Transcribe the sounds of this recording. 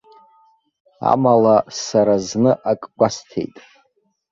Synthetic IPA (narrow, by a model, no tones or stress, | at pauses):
a̰malasaɾaznɨʔakʼɡʷastʰe̞̰jtʼ